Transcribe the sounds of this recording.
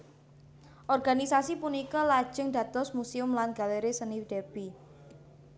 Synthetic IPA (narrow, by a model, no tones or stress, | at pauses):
ʔɔrɡ̥anisasipunikɔlad̥ʒ̥əŋd̪̥ä̤t̪ɔsmuseʊmlanɡ̥a̤leɾesəniwd̪̥eb̥i